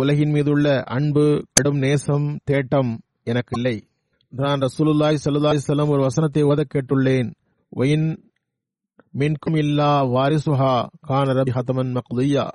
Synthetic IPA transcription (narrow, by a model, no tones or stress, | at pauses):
ʊlɐɣɪnmiːðɯɭːɐʔɐɳbɯkɐɽɯmneːsɐmt̪eːʈːɐm | ɛnɐkːɪlːɐɪ | naːnɾɐsuːlɯlːaːjsɐlːɐlːaːɪsɐlːɐmɔɾɯʋɐsɐnɐt̪ːɐɪɔðɐkːeːʈːrɯɭːeːn | ʋʔɐ̰jɪn | mɪnkʊmɪlːaːʋaːɾɪsʊɦaːkaːnɐɾɐbxɐt̪ɐmɐnmɐqd̪ɪja̰ː